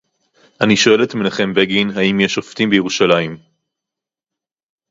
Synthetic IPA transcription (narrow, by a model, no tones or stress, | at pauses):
aniʃo̞e̞letmineχe̞mbeɡinɦaimje̞ʃoft̪imbejeʁuʃalaim